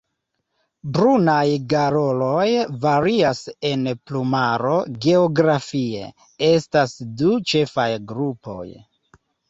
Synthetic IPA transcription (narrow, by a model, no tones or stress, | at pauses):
bɾunajɡaɾo̞lo̞jvaɾiase̞nplumaɾo̞ɡe̞oɡɾafie̞̰ | e̞stasdut͡ʃe̞fajɡɾupo̞̰j